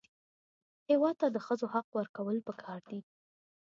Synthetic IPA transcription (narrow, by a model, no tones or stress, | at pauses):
hewɑd̪̚t̪ad̪əxəzohaqwəɾkawəlpəkʰɑɾd̪i